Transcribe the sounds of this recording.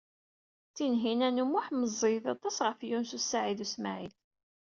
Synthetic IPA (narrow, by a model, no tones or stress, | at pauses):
t͡sːinɦinænumuħməzˤːiðɑt̪ˤɑsʁəfjunsusːaʕiðusmaʕiθ